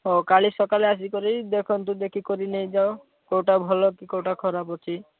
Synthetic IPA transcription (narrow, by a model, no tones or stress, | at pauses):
ɦokaɭisɔkaleas̬ikɔɾid̪ekʰɔnt̪ũd̪ekʰikɔɾinejd͡ʒao | kowʈabʱɔlɔkikowʈakʰɔɾapɔt͡ʃʰi